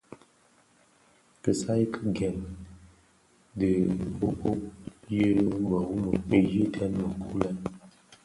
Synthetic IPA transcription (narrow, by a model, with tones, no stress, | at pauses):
kə˨sa˦jkʰə˦ɡɛ˨n | də˨ko˦ko˦je˦ba˨wu˦mə˨pe˦ji˦tʰɛ˦nmə˨kʰu˦la˦